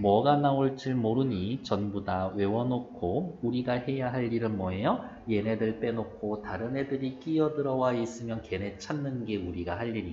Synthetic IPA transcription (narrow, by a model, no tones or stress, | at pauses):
mwʌɡanaoɭt͡ɕ͈ɯɭmoɾɯɲit͡ɕʌnbudawe̞wʌnokʰouɾiɡahe̞jaɦaʎːiɾɯnmʌɦe̞jʌ | je̞ne̞dɯɭp͈e̞nokʰotaɾɯnɦe̞dɯɾik͈ijʌdɯɾʌwais͈ɯmjʌnke̞ne̞t͡ɕʰanːɯnɡe̞uɾiɡahaʎːiɾi